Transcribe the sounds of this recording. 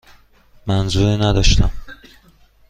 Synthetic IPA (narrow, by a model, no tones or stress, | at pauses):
mænzuːɾiːnæd̪ɒʃt̪æm